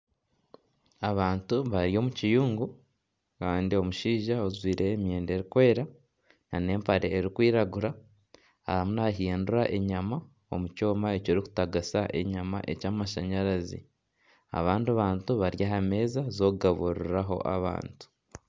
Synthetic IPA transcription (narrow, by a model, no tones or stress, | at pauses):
aβaːntuβaɾio̞ːmucijuːŋɡu | kaːndio̞muʃiːʒaozwiːɾe̞ːmje̞ːnde̞ɾikwe̞ːɾa | nane̞ːmpaɾe̞ːɾikwiːɾaɡuɾa | ahamunaɦiːnduɾaʔe̞ɲama | o̞muco̞ːmae̞coːɾiku̥taɡasaʔḛɲama̰ʔe̞̰caːmaʃaɲaɾazḭ | a̰βaːnduβaːntuβaɾjaɦame̞ːzazo̞kuɡaβuɾiiɾaɦo̞̰ʔa̰βa̰ːntu̥